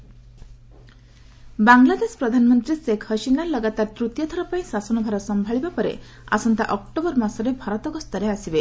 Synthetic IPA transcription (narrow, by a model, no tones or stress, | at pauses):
baŋɡlad̪espɾɔd̪ʱanɔmɔnt̪ɾisekʰhʌʃinalʌɡat̪aɾt̪ɾut̪jɔt̪ʰɔɾɔpãĩsasɔnɔbʱaɾɔsɔmbʱaɭibapɔɾḛ | a̰sɔnt̪a̰ʔɔkʈobɔɾmasɔɾebʱaɾɔt̪ɔkɔst̪ʌɾeasibe